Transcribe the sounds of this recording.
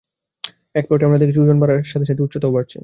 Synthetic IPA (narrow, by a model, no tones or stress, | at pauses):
ɛk̚poʈeamɾad̪eɾkd͡ʑ̪ud͡ʑonbaɾaɾʃat̪ʰeʃat̪ʰeuʈːɕʰot̪opaʈ̚t͡ɕʰḭ